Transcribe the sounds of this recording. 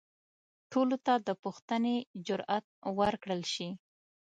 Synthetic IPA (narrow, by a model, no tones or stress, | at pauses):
ʈʰolot̪ad̪əpuxt̪əned͡ʒʊɾat̪̚wəɾkɽəlʃi